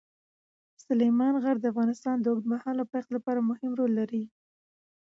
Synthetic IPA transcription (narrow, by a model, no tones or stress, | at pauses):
sʊlejmɑnɣaɽd̪əafɣɑnɪst̪ɑnd̪əʊɡd̪mahɑlapaqt̪lapɑɾamʊhɪmɾolːaɾi